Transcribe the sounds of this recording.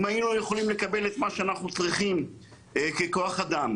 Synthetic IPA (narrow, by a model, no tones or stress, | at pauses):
majinujeχo̞limle̞kabe̞let̪maʃeanaχnut͡sʁiχim | keko̞aχad̪am